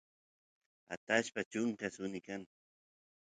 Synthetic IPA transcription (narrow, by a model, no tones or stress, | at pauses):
a̰t̪aʃpat͡ʃʊŋkasʊnɪkaŋ